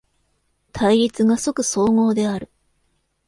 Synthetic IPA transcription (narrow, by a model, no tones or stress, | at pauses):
t̪ʰaiɾʲit͡sɨɡasokɯ̟so̞ːŋo̞ːd̪e̞aɾɯ̟